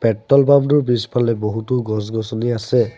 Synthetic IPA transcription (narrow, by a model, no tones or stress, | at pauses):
pɛʈːɔlbamduɹbispʰalɛboɦutuɡɔs̬ɡɔsɔniasɛ